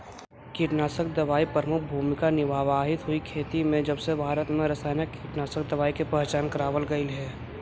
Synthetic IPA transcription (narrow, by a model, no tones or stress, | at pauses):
kiʈnaːsək̚d̪ɐʋaːipɾəmʊk̚ʰbʱuːmɪkanɪʋaːʋaːɦɪt̪ɦʊikʰeːt̪imẽd͡ʒɐbsebʱaːɾət̪mẽɾəsaːɪnəkːiʈnaːsək̚d̪əʋaːikepɛɦt͡ʃaːnkəɾaːʋəlɡəɪlɦɛː